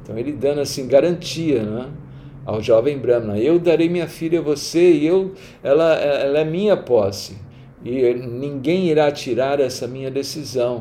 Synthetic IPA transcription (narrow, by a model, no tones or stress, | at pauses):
t̪ɐ̃w̃elɪd̪ɐ̃nasĩɡaɾɐ̃nt͡ʃiɐnɛ̃ | a̰wʒɔvẽj̃bɾɐ̃mnɛ̃ewd̪aɾejmĩɲɐfiʎɐvoseɪew | ɛlɐɛɛlɐɛmĩɲɐpɔsɪ | ɪnĩɡẽj̃iɾat͡ʃiɾaɾɛsɐmĩɲɐd̪esizɐ̃w̃